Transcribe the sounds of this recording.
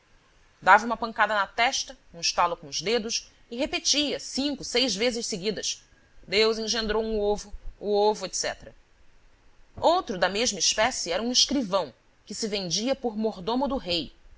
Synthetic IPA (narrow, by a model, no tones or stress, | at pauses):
d̪avɐũmɐpɐ̃ŋkad̪ɐnɐt̪ɛʃt̪ɐũiʃt̪alʊkõʊzd̪ed̪ʊs | ɪɦepet͡ʃiɐsĩŋkʊsejzvezɪʃseɡid̪ɐs | d̪ewzẽʒẽnd̪ɾowũovʊːovʊet̪sɛ̰t̪ɾɐ | owt̪ɾʊd̪ɐmeʒmɐiʃpɛsɪɛɾɐũiʃkɾivɐ̃w̃ | kɪsɪvẽnd͡ʒiɐpʊɾmoɾd̪õmʊd̪ʊɦej